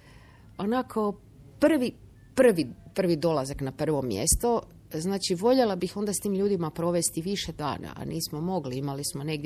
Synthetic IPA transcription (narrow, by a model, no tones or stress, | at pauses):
o̞nakʰo̞ | pr̩ʋi | pr̩ʋipr̩ʋid̪o̞lazaknapr̩ʋo̞mjḛst̪o | znaːt͡ʃiʋo̞ʎelabixo̞nd̪ast̪iːmʎuːd̪imapɾo̞ʋe̞st̪iʋiʃe̞d̪a̰ːna̰ʔa̰nʔiːsmo̞mo̞ɡliimalismo̞ne̞ɡdʲ